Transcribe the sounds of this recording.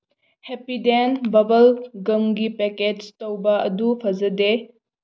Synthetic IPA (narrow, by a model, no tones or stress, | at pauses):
hepidenbɐbɐlɡɐmɡipeked͡ʒtɐwbɐɐdupʰɐzɐde